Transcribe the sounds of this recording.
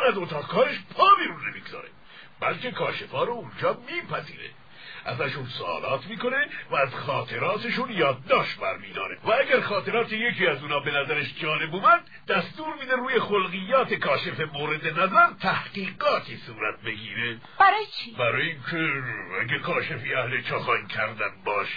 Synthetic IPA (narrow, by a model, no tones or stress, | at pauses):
næzot̪ʰɒːɣkʰɒːɾeʃpʰɒːbiɾuːnːemiːɡ̥ozɒ̰ːɾḛ | b̥ælkʰe̞kʰɒːʃefɒːɾound͡ʒɒːmiːpʰæzḭːɾḛ | ʔæzæʃunsoɒ̰ːlɒːt̪ʰmiːko̞nevæːzxɒːt̪ʰe̞ɾɒːt̪ʰeʃunjɒːd̪̚ːɒːʃbæ̰ɾmiːd̪ɒ̰ːɾḛvææɡæɾxɒːt̪e̞ɾɒːt̪ʰeje̞kʰiːæzuːnɒːbe̞næzæɾeʃd͡ʒɒːle̞buːmænd̪̥ːæst̪uːɾmiːd̪eruːjexolɣijːɒːt̪ʰekʰɒːʃe̞femoːɾe̞d̪enæzæɾt̪ʰæhɡiːɡɒːt̪ʰiːsuːɾæt̪̚be̞ɡiːɾe | b̥æɾɒːjet͡ʃʰibæɾɒːjeiŋkʰeæɡækʰɒːʃefiːæhlet͡ʃʰɒːxɒːikʲʰæɾd̪ænbɒːʃ